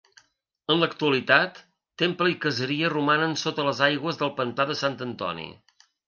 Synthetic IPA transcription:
ənləkt̪uəlit̪at̪ː | empləikəzəɾiərumanənsot̪ələzajɣwəzðəlˠpənt̪aðəsant̪ənt̪ɔ̰nḭ

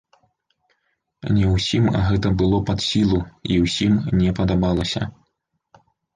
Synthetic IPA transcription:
nʲɛwsʲimɣɛt̪ɐbɨlˠɔpɐt̪sʲilˠuiwsʲimnʲɛpɐd̪abalˠɐsʲɐ̰

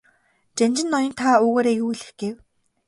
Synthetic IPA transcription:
t͡ɕant͡ɕɪ̆nːɔjɪ̆nt̪ʰauːɣoːɾeːjuːjɮɘ̆xɡ̥ew

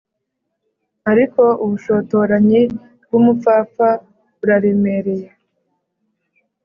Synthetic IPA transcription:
aɾiko̞uβuʃo̞ːto̞ɾaɲi | bɡumup͡faːfa | βuɾaɾeme̞ɾe̞je

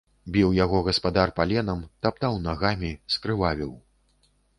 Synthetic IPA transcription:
bʲiwjaɣɔɣɐspad̪arpalʲɛnɐmt̪ap̚t̪awnaɣamʲiskɾɨvavʲiw

